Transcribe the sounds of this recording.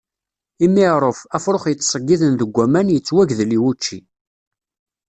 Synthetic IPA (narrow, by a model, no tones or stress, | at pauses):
imiʕɾˤəfæfɾoχjət͡sːsˤəɡːiðənðəɡʷːæmænjət͡sːwæʝðliwut͡ʃːi